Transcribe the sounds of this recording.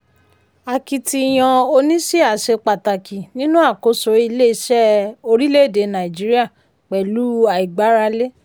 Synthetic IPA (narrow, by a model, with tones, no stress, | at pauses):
a˨ki˧ti˧j̃ã˧o˧nĩ˦ʃi˦a˨ʃe˧k͡pa˨ta˨ki˨nĩ˦nũ˦a˦˨ko˨˦so˨˦i˧le˦˧˦ʃɛ˦o˧ɾi˦le˦˨de˧˦nã˨i˨d͡ʒi˨˦ɾi˦a˦˨ | k͡pɛ˨lu˨˦a˨i˨ɡ͡ba˨˦ɾa˧le˦